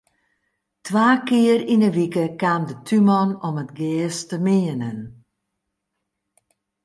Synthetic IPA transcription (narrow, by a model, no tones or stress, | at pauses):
tʰwaːkɪərinəʋikəkaːmdətʰymɔnomətɡɛːstəmɪːənən